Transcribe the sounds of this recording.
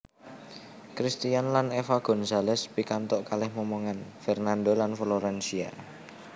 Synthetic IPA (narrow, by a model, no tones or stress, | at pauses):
kɾist̪ijanlanefaɡ̥ɔ̤nsalɛspikant̪ɔʔkalɪhmomoŋanfɛrnandolanfloɾɛnsia̰